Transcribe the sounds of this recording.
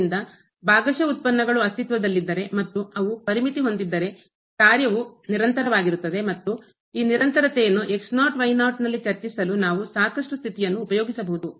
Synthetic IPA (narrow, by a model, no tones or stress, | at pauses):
nd̪ɐ | baːɡɐʃɐut̪̚pɐnːɐɡɐɭuɐst̪ʰit̪ʋɐd̪ɐlːid̪ːɐɾe̞mɐt̪ːuɐʋupɐɾimit̪iɦo̞nd̪id̪ːɐɾe̞ | kaːɾjɐʋuniɾɐnt̪ɐɾɐʋaːɡiɾut̪ːɐd̪e̞mɐt̪ːu | iːniɾɐnt̪ɐɾɐt̪ɛjɐnːuʔe̞ksnaːʈʋɐjnaːʈnɐlːit͡ʃɐɾt͡ʃisɐlunaːʋusaːkɐʂʈust̪ʰit̪ijɐnːuːpɐjoːɡisɐbɐɦud̪u